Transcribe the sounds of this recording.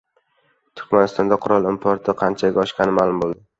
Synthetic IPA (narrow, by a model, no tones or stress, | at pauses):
t̪ʰʊ̥ɾkʲmanɪst̪ɒnd̪aqʰʊɾɒlˠɪmpʰoɾt̪ʰɪqʰɑnt͡ʃʰaɡʲaɒʃkʲɑnɪmaːlˠʊmbolˠd̪ɪ